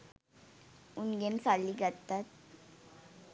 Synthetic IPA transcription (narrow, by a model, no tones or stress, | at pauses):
unɡensalːiːɡət̪at̪̚